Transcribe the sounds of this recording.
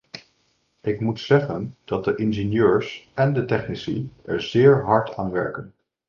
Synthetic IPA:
ʔɪkmutsɛχənd̥ɑt̚dəʔɪnʒenjøːɹsɛndətɛχnisḭʔɛ̰ɹzɪːɹɦɑɹtʰa̰ːnʋɛ̰ɹkən

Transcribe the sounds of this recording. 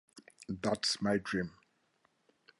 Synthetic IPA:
ðatsmaɪdɹĩm

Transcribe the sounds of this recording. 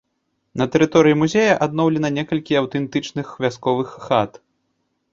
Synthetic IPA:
nɐt̪ɛɾɨt̪ɔɾɨjimuzʲɛjɐʔad̪nɔwlʲɛnɐnʲɛkɐlʲkʲiawt̪ɛnt̪ɨt͡ʂnɨxvʲaskɔvɨxːat̪

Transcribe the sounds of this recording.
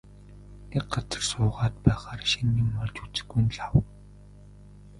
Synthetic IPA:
ekɢat͡sə̥̆rsʊːʁaːt̪̚pæːχaːrʃinːiːmːɔɮt͡ɕut͡sɘ̥̆ɡujnɮaw

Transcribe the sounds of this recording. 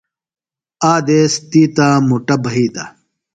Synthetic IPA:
aːd̪eːst̪iːt̪aːmuʈɐbɐɦiːt̪a

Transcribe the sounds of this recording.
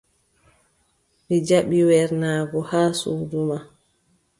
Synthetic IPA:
mid͡ʒaɓiwɛɾnaːɡɔhaːsuːduma

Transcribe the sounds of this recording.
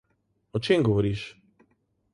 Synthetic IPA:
ɔt͡ʃemɡɔʋɔɾiːʃ

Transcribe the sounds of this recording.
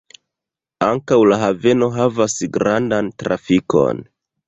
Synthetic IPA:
aŋkawlaɦave̞no̞ɦavasɡɾandantɾa̰fiko̞̰n

